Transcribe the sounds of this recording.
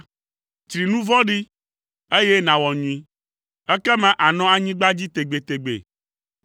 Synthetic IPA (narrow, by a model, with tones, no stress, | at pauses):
t̪ɾi˨nũ˦vɔ̃˦ɖi˦ | e˦je˦nã˨wɔ˨ɲũ˨ĩ˨ | ɛ˦kɛ˦mã˦ʔa˨nɔ̃˦a˨ɲĩ˦ɡ͡ba˦d͡ʑi˦t̪e˨ɡ͡be˨t̪e˨ɡ͡bḛ˨